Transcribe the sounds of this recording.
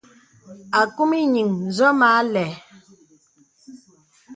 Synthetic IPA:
a˨ku˦mi˦ɲi˨ŋzɔ˦ma˨˦lɛ˨

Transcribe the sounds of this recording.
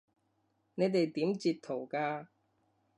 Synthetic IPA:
ne˨˧jt̪e˨jt̪iː˨˥mt͡siː˨˧tt̪ʰo˨˩wkaː˧

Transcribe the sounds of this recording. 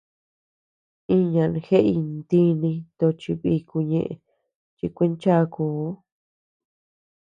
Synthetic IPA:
ĩ˦ɲã˧ñ˧xe˦ʔi˧nd̪i˦nĩ˧t̪o˧t͡ʃi˧βi˧ku˧ɲḛ̃˧ʔḛ˧˨ | t͡ʃi˧kʷe˦nt͡ʃa˦˧kuː˨˦

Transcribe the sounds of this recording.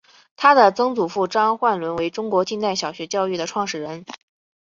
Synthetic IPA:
t̪ʰa˥d̪ə˨t͡sɤ˥ŋt͡su˨˩fu˥˩ʈ͡ʂɑ˥ŋxwa˥˩nlwə˧˥nwe˧˥ɪʈ͡ʂʊ˥ŋkwɔ˧˥t͡ɕi˥˧t̪a˥˩ɪɕjɑ˨˩ʊɕɥɛ˧˥t͡ɕjɑ˥˧ʊy˥˩d̪ə˩ʈ͡ʂʰwɑ˥˩ŋʂɻ̩˨˩ɻə˧˥n

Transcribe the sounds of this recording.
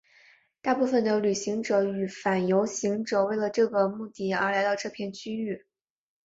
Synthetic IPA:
t̪a˥˧pu˥˩fə˩nd̪ə˩ly˨˩ɕi˧˥ŋʈ͡ʂɤ˨˩y˨˩fa˨˩njo˧˥ʊɕi˧˥ŋʈ͡ʂɤ˨˩we˥˩ɪlə˩ʈ͡ʂɤ˥˩ɡə˩mu˥˧t̪i˥˩ə̰˞˧˥la˧˥ɪt̪ʊʈ͡ʂʰɤ˥˧pʰjɛ˥˩nt͡ɕʰy˥y˥˩

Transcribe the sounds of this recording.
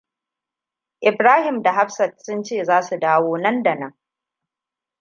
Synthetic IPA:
ʔɪ˨bɾaː˦hɪ˨mda˨ɦa˦ɸsɐ˨t̚sʊ˦nt͡ʃeː˦˨zaː˦su˨daː˦woː˦nɐ˦nda˨nɐ˦ŋ

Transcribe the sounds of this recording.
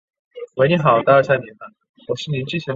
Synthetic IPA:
we˧˥ɪni˧˥xɑ˨˩˦ʊt̪a˥˧ə˥ɕa˥˩ni˨˥˦nə˧ | wɔ˨˩ʂɻ̩˥˩ni˧˥nt͡ɕi˥˩ɕʰi˧˥

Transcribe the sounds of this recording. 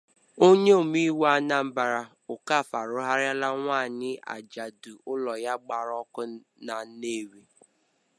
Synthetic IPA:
o˦ɲe˦o˨mi˦wa˦na˦m̩˦ba˨ɾa˨ | ʊ˨ka˦˨fa˨ɾʊ˦ɦa˦ɾja˦la˦ŋʷaː˦˨ɲɪ˦a̰˨d͡ʒa˨dʊ˨ʔʊ˦lɔ˨ja˦ɡ͡ba˨ɾɔ˦kʊ˦ | na˨ne˦˨we˦

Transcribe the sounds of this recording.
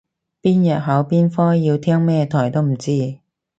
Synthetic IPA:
piː˥njɐ˨t̚ɦɐ˨˥wpiː˥nfɔː˥jiː˧wt̪ʰɛː˥ŋmɛː˥t̪ʰɔː˨˩jt̪o˥wm̩˨˩t͡siː˥

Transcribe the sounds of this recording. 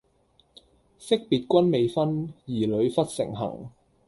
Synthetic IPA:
sɪ˥k̚piː˨t̚kʷɐ˥nme˨˧jfɐ˥njiː˨˩lɵ˨˧ɥfɐ˥t̚sɪ̰˨˩ŋɦɐ̰˨˩ŋ

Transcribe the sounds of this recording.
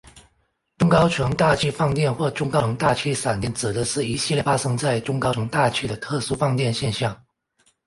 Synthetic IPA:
ʈ͡ʂʊ˥ŋkɑ˥ʊʈ͡ʂʰɤ˧˥ŋt̪a˥˧t͡ɕʰy˥˧fɑ˥˧ŋt̪jɛ˥˧nxwɔ˥˩ʈ͡ʂʊ˥ŋkɑ˥˩˧ŋt̪a˥˩t͡ɕʰy˥˩sa˨˩nt̪jɛ˥˩nt͡sɹ̩˨˩d̪ə˦ʂɻ̩˥˩i˧˥ɕi˥˧ljɛ˥˩fa˥ʂɤ˥ŋt͡sa˥˩ɪʈ͡ʂʊ˥ŋkɑ˥ʊʈ͡ʂʰɤ˧˥ŋt̪a˥˩t͡ɕʰy˥d̪ə˨t̪ʰɤ˥˩su˥fɑ˥˧ŋt̪jɛ˥˧nɕjɛ˥˧nɕjɑ˥˩ŋ

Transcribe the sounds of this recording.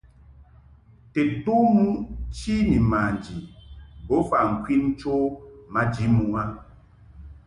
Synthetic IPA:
te˨tu˦mu˦t͡ʃi˦ni˨ma˨n˨d͡ʒi˨bo˨˦fa˨ŋ̩˨kwi˦n˦t͡ʃo˦ma˦d͡ʒi˨˦mu˨a˦

